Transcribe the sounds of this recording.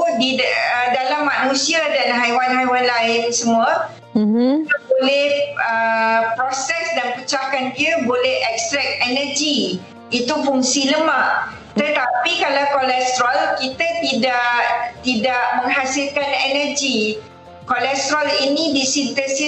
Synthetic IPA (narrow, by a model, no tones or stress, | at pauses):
diədalamːanũsiadanɦajwanɦajwanlaɪnsəmuə | it̪əbolɛhəpɾɔsɛsdanput͡ʃakankiəbolɛhɛkst̪ɾɛk̪̚ɛnəd͡ʒi | it̪ufuŋsiləmaʔ | t̪ət̪apikalawkolɛst̪ɾalkit̪at̪idaʔʔt̪idaʔmə̃ŋɦasilkanɛnərd͡ʒi | kolɛst̪ɾalinĩdisint̪əsi